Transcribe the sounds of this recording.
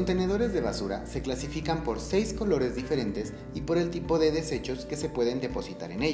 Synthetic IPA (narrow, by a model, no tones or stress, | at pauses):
ont̪e̞ne̞ðo̞ɾe̞zðe̞βasuɾa̰se̞klasifikampo̞ɾse̞jsko̞lo̞ɾe̞zðife̞ɾe̞nt̪e̞s | ipo̞ɾe̞lt̪ipo̞ðe̞ðe̞se̞t͡ʃo̞ske̞se̞pwe̞ðe̞nd̪e̞po̞sit̪a̰ɾe̞neʎ